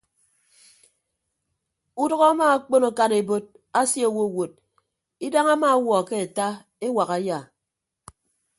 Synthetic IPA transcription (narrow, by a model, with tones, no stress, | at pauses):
u˦dɔ˦ɣɔ˦a˦ma˦a˦k͡po˦no˦ka˦ne˨bo˦t̚ | a˦sje˦o˦˨wo˦˨wo˨d̚ | i˦da˦ŋa˦ma˦wɔ˨ke˦e˨ta˦ | e˦wa˨ɣa˨ja˦˨